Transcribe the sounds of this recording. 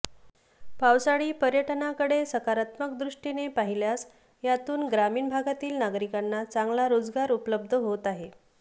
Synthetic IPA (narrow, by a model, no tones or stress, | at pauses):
pawsaɭiːpəɾjəʈənakəɽesəkaɾat̪məkd̪ɾuʂʈinepaɦiljas | jat̪uːnɡɾamiːnbʱaɡat̪iːlnaɡɾikanːat͡saŋɡlaɾod͡zɡaɾupləbd̪ʱəɦot̪aɦe